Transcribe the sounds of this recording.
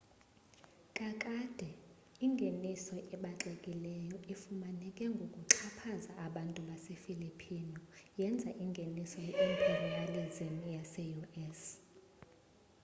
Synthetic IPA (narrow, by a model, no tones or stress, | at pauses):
kʼakʼad̥ʱɛ | iŋɡʱenisɔʔɛɓaǁɛkʼilɛjɔifumanɛkʼɛŋɡʱokʼuǁʰapʰazaʔaɓantʼuɓasefilipʰinɔjɛnd͡zʱaʔiŋɡʱenisɔjimpʰʼerijalizimjasɛjuɛs